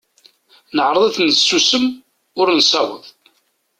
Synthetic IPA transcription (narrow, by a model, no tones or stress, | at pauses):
nəʕɾˤəðˤæθnsːusəm | ʊɾnsɑwə̰ð